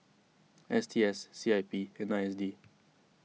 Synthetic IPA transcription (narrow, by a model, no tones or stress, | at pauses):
ʔɛst̪ʰiɛsːiːaɪpiɛ̃naɪɛsdiː